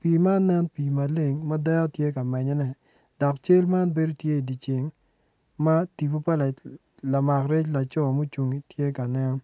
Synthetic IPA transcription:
piː˨ma˦nɛ˦npi˨ma˨le˦˨ŋma˦dɛ˦ɔ˦tje˦ka˨mɛ˨ɲɔ˦nɛ˦ | d̥ɔ˨kt͡ʃe˦lma˦nbe˦do˦tje˦i˨di˨t͡ʃe˨ŋ | ma˦ti˨po˦pa˦la˨ | la˨ma˨kɾe˦t͡ʃla˨t͡ʃɔ˦˨mo˦t͡ʃu˨ŋi˨tje˦ka˨nɛ˦n˦

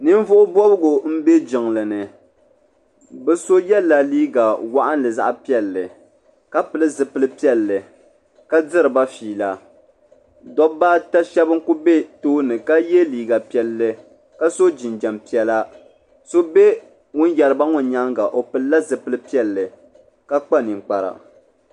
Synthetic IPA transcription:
nɨ˦ɱ˦vʊ˦ʔʊ˦bɔ˦bɨ˦ɡʊ˨m̩˦be˦d͡ʒɪ˨ŋlɨ˨nɨ˨ | bɨ˨so˦jɛ˦la˨liː˦ɡa˨wa˦˨ʔa˦nlɨ˨za̰˦ʔpi˦ɛ˨lːɨ˨ | ka˦pɨ˨lɨ˦zɨ˨pɨ˦lɨ˦pi˦ɛ˦lːɨ˨ | ka˦dɨ˦ɾɨ˨ba˦fiː˨la˨ | dɔ˦baː˦ta˦ʃɛ˦bɨ˦ku˦be˦toː˦nɨ˨ka˦jɛ˦liː˦ɡa˨pi˦ɛ˦lːɨ˦ | ka˦so˦d͡ʒi˨nd͡ʒɛ˨mpi˨ɛ˦la˦ | so˦be˦ | ŋʊ˦njɛ˨ɾɨ˦ba˦ŋʊ˨˦ɲa˦ŋɡa˨ʔo˨pɨ˨lla˦zɨ˨pɨ˦lɨ˦pi˦ɛ˦lːɨ˨ | ka˦k͡pa˦nɪ˨ŋ˨k͡pa˨ɾa̰˨

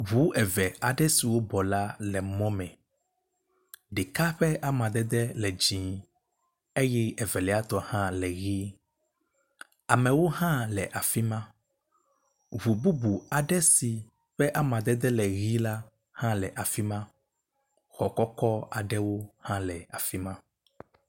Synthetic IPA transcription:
βu˦ʔɛ˨vɛ˨a˨ɖɛ˦si˨wo˦bɔ˨la˦lɛ˨mɔ̃˦mɛ̃˨ | ɖe˨ka˦ɸɛ˦ʔa˦mã˨d̪ɛ˦d̪ɛ˦lɛ˨d͡ʒĩ˨ | e˦jɛ˦ɛ˨vɛ˨lɛ˨˦a˦t̪ɔ˨hã˦lɛ˨ɣi˦ | a˨mɛ̃˨wo˦ɦã˦lɛ˨ʔa˨fi˦mã˦ | βu˨bu˦bu˨a˨ɖɛ˦si˨ | ɸɛ˦ʔa˦mã˨d̪ɛ˦d̪ɛ˦lɛ˨ɣi˦la˦ | hã˦lɛ˨ʔa˨fi˦mã˦ | xɔ˨kɔ˦kɔ˦a˨ɖɛ˦wo˦hã˦lɛ˨a˨fi˦mã˦

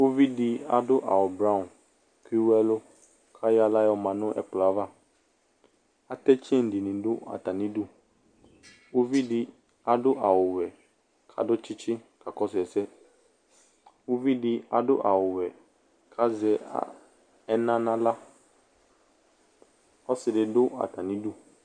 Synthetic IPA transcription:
wo˦vi˦di˨a˨dʊ˦ʔa̰˨wʊ˨bɾã˦˨ | ki˦wɛ˦lʊ˦ | kʰa˦ja˨la˦jɔ˨mã˨nʊ̃˦ʔɛ̰˨k͡pla˨˦va˦ | a˨t̪ɛ˦t͡ʃɛ˦˨n̩˨di˨nĩ˨ɖʊ˦a̰˨t̪a˨nĩ˦du˦ | wo˦vi˦di˦ | a˨ɖʊ˦ʔa˨wʊ˨wɛ˨ | kʰa̰˨dʊ˦t͡ʃɪ˦t͡ʃɪ˦ka˨kɔ˦s̬ɛ˨sɛ˦ | wo˦vi˦dɪ˦a̰˨dʊ̰˦ʔa˨wʊ˨wɛ˨ | kʰa˦zɛ̰˨˦ | ɛ˦nã˦nã˦la˦ | ɔ˦sɪ˨dɪ˨dʊ˦a̰˨t̪a˨nĩ˦du˦

